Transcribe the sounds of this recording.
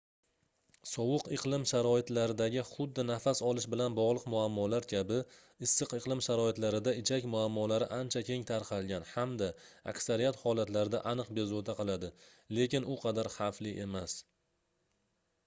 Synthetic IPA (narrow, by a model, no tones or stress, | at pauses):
sɒwʊqɨqlˠɪmʃaɾɒɪt̪laɾɪd̪aɡʲɪχʊd̪ːɪnafasɒlˠɪʃbɪlanbɒʁlˠɨqmʊamːɒlaɾkʲʰabɪ | ɪsːɨqɨqlˠɪmʃaɾɒɪt̪laɾɪd̪aɪt͡ʃʰakʲmʊamːɒlaɾɪʔant͡ʃʰakʲʰe̞ŋt̪ʰaɾqʰɑlˠɡʲanhamd̪aa̰kʲsaɾijat̪hɒlat̪laɾɪd̪a̰ʔanɨqbe̞zot̪ʰaqɨlˠad̪ɪ | le̞kʲɪnʊqʰɑd̪aɾhaflɪʔe̞mas